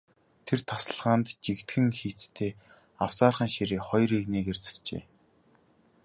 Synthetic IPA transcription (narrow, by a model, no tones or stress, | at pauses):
t̪ʰert̪ʰasə̆ɮʁaːnt̪t͡ɕikt̪xɘ̆ŋxiːt͡st̪ʰeː | aw̥saːrχə̆ːŋʃiɾeːχɔjrikneːkert͡sḁst͡ɕḛː